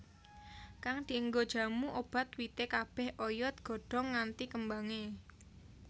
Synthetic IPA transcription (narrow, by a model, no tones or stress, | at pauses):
kaŋd̪̥i̤əŋɡod̥ʒ̥ä̤muʔob̥a̤t̪wit̪ekab̥ɛ̤hʔojɔt̪̚ɡ̥ɔ̤ɖ̥ɔ̤ŋːant̪ikəmbaŋe